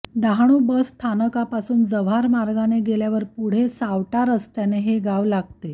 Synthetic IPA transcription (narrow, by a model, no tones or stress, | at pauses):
d̪aɦɳ̃ubəsːt̪ʰanəkapasuːnd͡zəʋaɾmaɾɡaneɡeljaʋəɾpuɽ̤esawʈaɾəst̪janeɦeɡaʋlaɡ̚t̪e